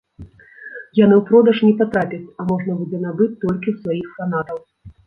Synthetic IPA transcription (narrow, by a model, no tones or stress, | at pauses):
janɨwpɾɔd̪ɐʂnʲɛpat̪ɾapʲɐt͡sʲɐmɔʐnɐbud͡zʲɛnabɨt͡sʲt̪ɔlʲkʲiwsvajixfanat̪ɐw